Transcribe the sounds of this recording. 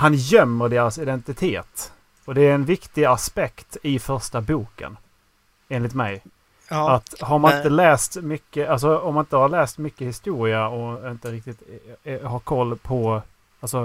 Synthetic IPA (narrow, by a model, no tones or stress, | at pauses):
hanjœmːəɖeːɾasɪd̪ɛnt̪ɪt̪ʰeːt̪ | ɔd̪ɛæɾɛnvɪkt̪ɪɡaspɛkt̪ɪfœɾʂʈabuːkə̰n | eːnlɪt̪mɛ̰j | at̪haɾmanɪnt̪əlɛːst̪mʏkːəʔals̬ɔɔmːanɪnt̪əhaɾɭɛːst̪mʏkːəhɪst̪uːɾɪaɔɪnt̪əɾɪkt̪ɪt̪ɦakʰɔlːpʰɔ | alsɔ